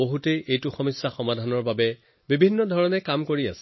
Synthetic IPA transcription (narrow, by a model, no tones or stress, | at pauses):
oɦutejʔejtuxɔmɔsːaxɔmadʱanɔɹbabɛ | bibʱinːɔdʱɔɹɔnɛkamkoɹia̰sɛ